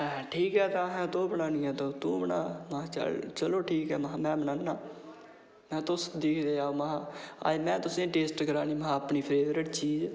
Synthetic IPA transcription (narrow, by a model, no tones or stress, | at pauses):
ʈʰiːkɦɛːt̪ãɦɛ̃ːt̪oːbənaːnĩːɛːt̪oːt̪ũːbənaːmaãːt͡ʃə̰lt͡ʃəloːʈʰiːkɦɛːmaɦãːmɛ̃ːbənaːnːaː | mɛ̃ːt̪ʊsd̪eːkʰd̪eːaːoːmaɦãːa̰ːd͡ʒmɛ̃ːt̪ʊsẽːʈeːsʈkəɾaːniːməɦãːəpniːpʰɾeːʋɾəʈt͡ʃiːz